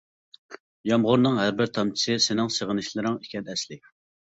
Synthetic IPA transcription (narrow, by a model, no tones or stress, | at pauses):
jɑmʁʊɾnɨŋɦæɾbɪɾt̪ʰɑmt͡ʃʰi̥sɨsɪnɪŋsəʁənɨʃlˠɨɾɪŋikʲʰɛnɛslɪ